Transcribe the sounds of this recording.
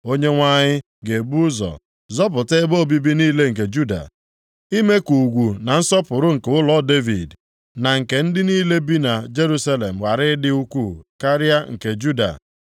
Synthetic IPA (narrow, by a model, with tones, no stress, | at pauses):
o˦ɲe˦ŋʷa˦ɲɪ˦ | ɡe˨bu˦ʊ˦zɔ̰˨ | zɔ˦p̬ʊ˨te˦bo˦˨bi˦bi˦niː˦le˦ŋ̩˨ke˨d͡ʒu˦da̰˨ | i˦me˦ku˨ɡʷu˨na˨n̩˦sɔ˦pʊ˨ɾʊ˦ŋ̩˨ke˨ʊ˦lɔ˦de˦vḭ˨d | na˨ŋ̩˨ke˨n̩˦dɪ˦niː˦le˦bi˦na˨d͡ʒe˦ɾu˦sa˦le˨m̩˨wa˨ɾɪ˦dɪ˦u˦kʷu˦˨ka˦ɾja˦ŋ̩˨ke˨d͡ʒu˦da̰˨